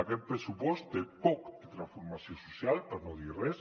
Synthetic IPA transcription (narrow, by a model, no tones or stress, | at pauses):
aket̪̚pɾesupost̪̚d̪epoket̪ɾaɱfuɾmasjosusjalpaɾnoðirɛs